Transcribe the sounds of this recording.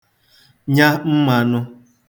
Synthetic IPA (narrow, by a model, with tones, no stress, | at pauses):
ɲa˦m̩˦ma˨nʊ˦